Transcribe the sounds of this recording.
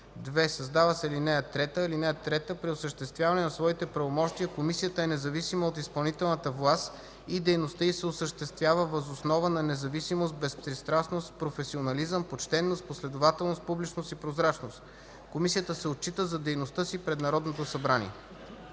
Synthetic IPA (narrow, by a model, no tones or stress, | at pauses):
d̪vɛsɐzd̪avəsɛlinɛət̪ɾɛt̪əilinɛət̪ɾɛt̪əpɾiosəʃt̪ɛst̪vʲjavɐnɛnɐsvɔit̪ɛpɾɐvomɔʃt̪iəkomisijət̪əɛnɛzɐvisiməot̪ispɐlˠnit̪ɛlˠnət̪əvlˠast̪ | id̪ɛjnost̪əisɛosəʃt̪ɛst̪vʲjavəvəzosnɔvənɐnɛzɐvisimos̬t̪̚bɛspɾist̪ɾasnost̪pɾofɛsionɐlizəmpot͡ʃt̪ɛnːost̪̚poslɛd̪ovat̪ɛlˠnost̪̚publit͡ʃnost̪ipɾozɾat͡ʃnost̪ | komisiət̪əsɛot̪̚t͡ʃːit̪əzɐd̪ɛjnost̪ɤsipɾɛd̪nɐɾɔd̪not̪osɐbɾanʲḭɛ